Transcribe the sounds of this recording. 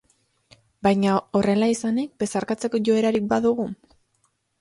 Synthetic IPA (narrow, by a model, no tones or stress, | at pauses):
bajɲao̞re̞laisanik̚be̞saɾkat͡se̞ko̞ʝo̞e̞ɾaɾik̚baðuɣ̞u